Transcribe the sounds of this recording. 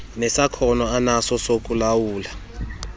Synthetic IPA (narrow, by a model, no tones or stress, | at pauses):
nɛsakʰɔnɔanasɔsokʼulawuːla